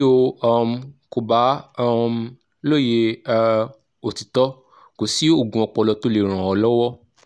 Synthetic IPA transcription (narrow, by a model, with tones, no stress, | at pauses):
o˧ɔ˧m˧ko˨ba˨˦˧m˧ | lo˦˨je˧ | o˨ti˨tɔ˨˦ | ko˨si˨˦o˦˨ɡũ˧ɔ˧k͡pɔ˧lɔ˧to˦le˦˨ɾ̃ã˨ɔ˧lɔ˦wɔ˦